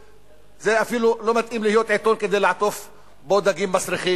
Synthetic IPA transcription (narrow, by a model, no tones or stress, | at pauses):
zeʔafiːlulomat̪ʔiːmlɪhɪjoːt̪ʕet̪onked̪eːlaʕt̪of | boːd̪aɡiːmːasɾixiː